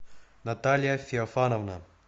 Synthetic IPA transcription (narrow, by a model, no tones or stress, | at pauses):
nɐt̪alʲjafʲɪɐfanɐvna